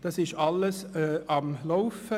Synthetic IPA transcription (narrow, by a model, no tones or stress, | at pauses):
d̥ɑsɪʃɑləsɑmlaʊfə